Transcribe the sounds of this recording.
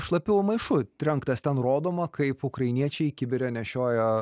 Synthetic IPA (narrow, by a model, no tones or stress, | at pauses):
ʃlˠɐpʲɪwmɐɪʃʊɾʲɛŋkt̪ɐst̪ʲɛnroːd̪oːmɐkɐɪpʊkɾɐɪnʲiɛt͡ʃʲɛɪkʲɪbʲɪɾʲɛnʲɛʃʲoːjo